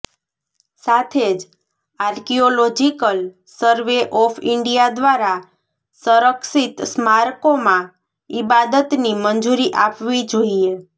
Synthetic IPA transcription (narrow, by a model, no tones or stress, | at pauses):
sat̪ʰed͡ʒ | aɾkiolod͡ʒikəl | səɾʋeʔɔfʰɪɳɖijad̪ʋaɾa | səɾəksit̪smaɾkomã | ibad̪ət̪nimənd͡ʒuɾiʔapʋid͡ʒoie